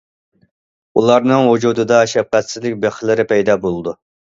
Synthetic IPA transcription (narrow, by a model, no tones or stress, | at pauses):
ulˠɑɾnɨŋwud͡ʒud̪ɨd̪ɑʃɛp̚qæt̪sɪzlɪkʲbeχlˠɪɾɪpɛjd̪ɑbolˠɨd̪u